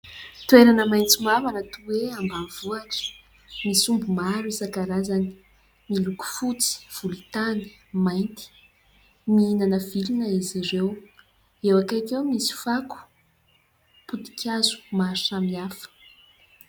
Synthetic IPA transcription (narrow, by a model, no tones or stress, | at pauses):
t̪ueɾanəmajnt͡simavanət̪uweambanv̥uaʈ͡ʂə̥ | misumbumaɾuisakaɾazani̥ | miluku̥fut͡si̥v̥ulit̪ani̥majnt̪i̥ | miinanəv̥ilinəiziɾew | ewakajkewmisi̥faku̥ | put̪i̥kʰʲazu̥maɾsamiafə̥